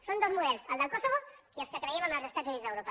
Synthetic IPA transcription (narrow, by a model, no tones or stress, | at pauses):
sond̪ozmuðɛlsəlˠd̪əlˠkosoβoiəlskəkɾəɛmənəlzəst̪azunidd͡zðəwɾopə